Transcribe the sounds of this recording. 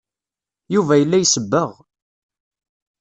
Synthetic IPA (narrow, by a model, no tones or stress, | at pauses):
juvæjəlːæjsəbːəʁ